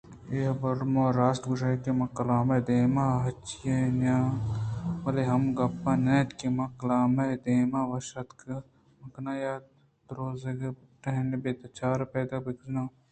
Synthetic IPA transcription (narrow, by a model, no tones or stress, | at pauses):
eːɦbɐɾmõːɾaːsʈɡuʃɐkimɐkɐlaːmɐd̪eːmaɦɐt͡ʃijenaː | mɐleɦɐmɡɐpːanɐt̪kimɐkɐlaːmɐd̪eːmaːʋɐʃɐt̪k | mɐknaːjaːt̪ | t̪ɾoːzɐɡ | ʈɐɦnebet̪ɐt͡ʃaːɾpeːd̪ɐkbikznõː